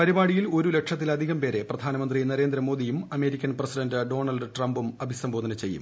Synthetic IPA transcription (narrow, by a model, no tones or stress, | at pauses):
pɐɾibaːɽijilo̞ɾule̞kʂɐt̪ːilɐd̪ʱiɣɐmpe̞ːɾe̞prɐd̪ʱaːnɐmɐnd̪rinɐɾe̞ːnd̪ɾɐmo̞ːd̪ijumɐme̞ːɾikʲːɐnprɐsidɐndɨɖo̞ːɳɐlɖɨʈrɐmbumɐbʱisɐmbʱo̞ːd̪ɐnɐt͡ɕe̞jːṵm